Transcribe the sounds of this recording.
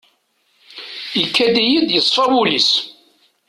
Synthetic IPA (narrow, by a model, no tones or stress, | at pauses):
jəkːæd̪ijid̪jəsˤfɑbulis